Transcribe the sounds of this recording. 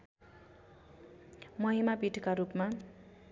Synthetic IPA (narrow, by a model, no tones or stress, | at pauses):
mʌɦimabiʈkaɾupma